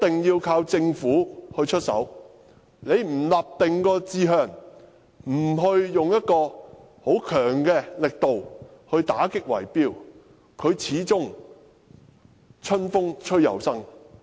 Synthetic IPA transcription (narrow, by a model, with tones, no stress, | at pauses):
t̪ɪ˨ŋjiː˧wkʰaː˧wt͡sɪ˧ŋfuː˨˥hɵ˧ɥt͡ʃʰɵ˥t̚sɐ̰˨˥w | ne˨˧jm̩˨˩laː˨p̚t̪ɪ˨ŋkɔː˧t͡siː˧ɦœː˨˩ŋ | m̩˨˩ɦɵ˧ɥjʊ˨ŋjɐ˥t̚kɔː˧ | ho˨˥wkʰœː˨˩ŋkɛː˧lɪ˨k̚t̪o˨whɵ˧ɥt̪aː˨˥kɪ˥k̚wɐ̰˨˩jpiː˥w | kʰɵ˨˧ɥt͡sʰiː˨˥t͡sʊ˥ŋ | t͡ʃʰɵ˥nfʊ˥ŋt͡ʃʰɵ˥ɥjɐ̰˨wsɐ˥ŋ